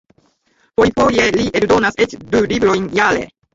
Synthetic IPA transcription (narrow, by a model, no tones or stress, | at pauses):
pojfojeliʔeld̪o̞nasetdulibɾo̞jnjalḛ